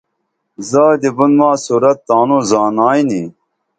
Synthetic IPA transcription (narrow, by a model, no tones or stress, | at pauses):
zaːd̪ibunmaːsuːɾɐt̪ːaːnuzaːnaːini